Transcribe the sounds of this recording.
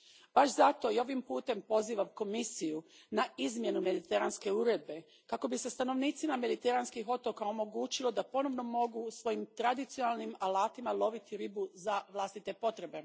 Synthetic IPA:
b̥aʃzat̪o̞io̞ʋimpuːt̪e̞mpo̞ziːʋamko̞misijunaizmje̞nume̞d̪it̪eɾanske̞uɾed̪̚be̞ | kako̞bise̞st̪ano̞ʋniːt̪simame̞d̪it̪e̞ɾanskixo̞t̪o̞kao̞mo̞ɡuːt͡ʃilo̞d̪apo̞no̞ʋno̞mo̞ɡusʋo̞jimt̪ɾad̪it̪sionalˠnimalaːt̪imalˠo̞ʋit̪iɾibuzaʋlˠaːst̪it̪e̞po̞t̪ɾe̞be̞

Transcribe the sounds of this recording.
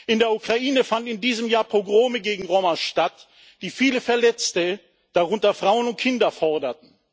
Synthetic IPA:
ʔɪndeːɐukʁ̥aʔiːnəfandnɪndiːzəmjaːɐpʁ̥oɡʁoːməɡeːɡŋ̩ʁomaʃtat | d̥iːfiːləfɛɐlɛt͡stə | d̥aʁʊntɐfʁ̥aʊənʊnt̚kʰɪndɐfɔɐdɐt̚n̩

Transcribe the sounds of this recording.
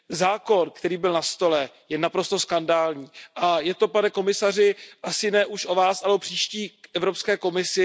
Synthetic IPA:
zaːko̞nkt̪ɛɾiːbɪlnast̪o̞lɛ | jɛnapɾo̞st̪o̞skandaːlɲiːʔajɛt̪o̞panɛko̞mɪsar̝ɪʔasɪnɛːʔuʃʔo̞vaːsalɛopr̝̥iːʃciːkʔɛvɾo̞pskɛːko̞mɪsɪ

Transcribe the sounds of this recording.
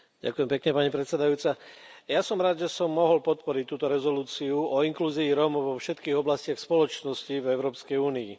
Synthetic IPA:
ɟa̰kʊjɛmpɛkɲɛpaɲipɾɛt̪sɛd̪ajuːt͡sajasɔmɾaːd̪ʒɛsɔmːɔɦɔlpɔt̪pɔɾic̚t̪uːt̪ɔɾɛzɔluːt͡siuɔiŋkluːziːɾɔmɔʋɔfʃɛt̪kiːɣɔblascɪaxspɔlɔt͡ʃnɔscivɛʊɾɔːpskɛjuːniḭ

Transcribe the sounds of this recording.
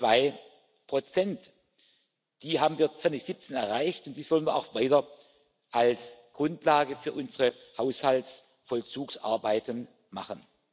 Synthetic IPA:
v̥aɪ | pʁ̥ot͡sɛnt | d̥iːɦaːbmn̩viːɐt͡sv̥ant͡sɪçz̥ɪp̚t͡seːnɛɐʁaɪçtʊntd̥iːsv̥ɔlənviːɐʔa̰ʊxv̥aɪtɐ | ʔalsɡ̥ʁʊntlaːɡəfyːɐʔʊnzəʁəhaʊshalts | fɔlt͡suːksa̰ɐbaɪtən | maχən

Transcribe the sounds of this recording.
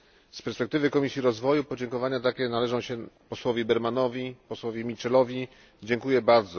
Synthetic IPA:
spɛɾspɛk̚t̪ɘvɘkɔmʲisʲiɾɔzvɔjupɔd͡ʑɛŋkɔvaɲat̪akʲɛnalɛʐɔ̃w̃ɕɛpɔswɔvʲibɛɾmanɔvʲipɔswɔvʲjimʲit͡ʂɛlɔvʲi | d͡ʑɛŋkujɛbaɾd̪zɔ

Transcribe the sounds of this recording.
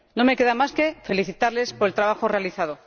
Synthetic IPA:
no̞me̞ke̞ðamaske̞fe̞liθit̪aɾle̞spoɾelt̪ɾaβaxore̞aliθað̞o

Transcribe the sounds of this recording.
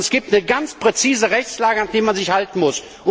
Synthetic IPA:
ɛsɡ̥iːp̚tnəɡant͡spʁ̥et͡siːzəʁɛçt͡slaːɡəanχd̥eːmanzɪçhaltn̩mʊs | ʔʊ

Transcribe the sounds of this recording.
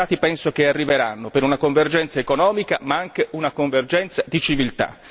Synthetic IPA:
aːt̪ipɛnsokearːiveɾanːopeɾunakoɱverd͡ʒɛnt̪saekonɔːmika̰maaŋk̟eʔunakoɱverd͡ʒɛnt̪sad̪it͡ʃivilt̪a̰

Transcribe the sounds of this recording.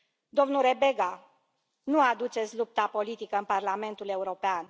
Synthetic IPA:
d̪o̞mnulɾe̞be̞ɡa | nuad̪ut͡ʃe̞t̪sʲlup̚t̪apo̞lit̪ikəɨnparlame̞nt̪ule̞uɾo̞pean

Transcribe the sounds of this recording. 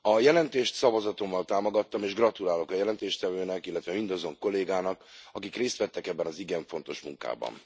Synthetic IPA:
ɒjɛlɛnt̪eːʃt̪sɒvɒzɒt̪o̞mːɒlt̪aːmo̞ɡɒt̪ːɒmeːʒɡrɒt̪ulaːlo̞kɒjɛlɛnt̪eːʃt̪ɛvøːnɛkilːɛt̪ʋɛmind̪ɒzo̞ŋko̞lːeːɡaːnɒkɒkikreːst̪ʋɛt̪ːɛkɛbːɛnɒziɡɛɱfo̞nt̪o̞ʃmṵŋka̰ːbɒ̰n

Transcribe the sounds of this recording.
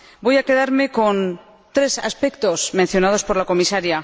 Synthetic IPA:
bo̞jake̞ðaɾme̞ko̞n | t̪ɾe̞sa̰spe̞kt̪o̞smẽ̞n̟θjo̞nað̞o̞spo̞ɾlako̞misaɾja

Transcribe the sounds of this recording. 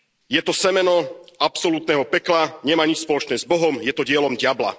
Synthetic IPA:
jɛt̪ɔsɛmɛnɔapsɔlut̪nɛːɦɔpɛklaɲɛmaːɲit͡ʃspɔlɔt͡ʃnɛːzbɔɦɔmjɛt̪ɔɟɪɛlɔmɟɪabla̰

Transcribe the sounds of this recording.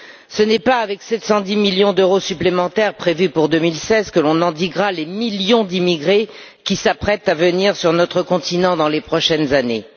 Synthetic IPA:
sənɛpaːvɛksɛt̪sɑ̃d̪imiljɔ̃d̪øʁosyplemɑ̃t̪ɛʁpχevypuʁd̪ømilsɛzkəlɔ̃nɑ̃d̪iɡʁalemiljɔ̃d̪imiɡʁe | kʲisapχɛt̪avəniʁsyʁnɔt̪χəkɔ̃t̪inɑ̃d̪ɑ̃lepχɔʃɛnzane

